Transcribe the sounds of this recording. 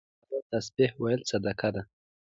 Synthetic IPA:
dat̪asbɪhwajəlsad̪akad̪a

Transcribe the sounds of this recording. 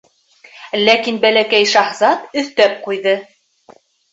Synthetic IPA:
lækinbælækæjʃɑχzɑt̪ɵ̆θt̪æp̚qujðɤ

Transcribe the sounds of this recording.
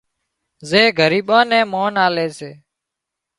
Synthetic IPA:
zeːɡʱəɾiːɓãːnẽːmoːnaːleːseː

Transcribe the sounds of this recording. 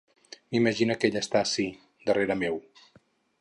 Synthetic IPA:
miməʒinəkeʎəst̪asi | d̪əreɾəmew

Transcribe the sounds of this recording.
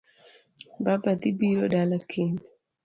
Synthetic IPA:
bapat̪ibiɾodalakʰen

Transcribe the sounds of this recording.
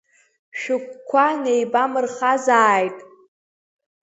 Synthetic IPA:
ʃᶣʊkʷkʷʰːanejbamɨrχazaːjtʼ

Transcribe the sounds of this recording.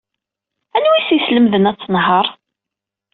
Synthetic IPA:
ænwisisləmðənæt͡sːənɦəɾˤ

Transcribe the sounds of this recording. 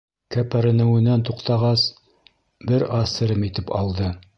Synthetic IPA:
kæpæɾɘ̆nɘ̆wɘ̆nænt̪uqt̪ɑʁɑs | bɘɾɑsɘ̆ɾɘmit̪ɘpɑ̰lˠd̪ɤ

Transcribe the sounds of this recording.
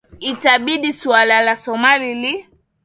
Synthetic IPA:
itaɓiɗisualalasɔmalili

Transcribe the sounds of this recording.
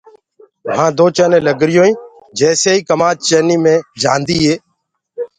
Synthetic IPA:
ɦãːd̪oːt͡ʃəːnẽːləɡɾɪjõːĩː | d͡ʒɛːseːiːkəmaːt͡ʃt͡ʃəːniːmẽːd͡ʒa̰ːnd̪iːɦeː

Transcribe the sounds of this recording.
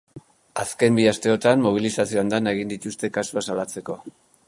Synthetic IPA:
aske̞mbiast̪e̞o̞t̪ammoβ̞ilisasio̞and̪anaeɣind̪it̪ust̪e̞kasuasalat͡se̞ko̞

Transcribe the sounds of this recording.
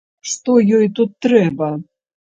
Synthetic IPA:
ʂt̪ɔjɔjt̪ut̪ːɾɛbɐ

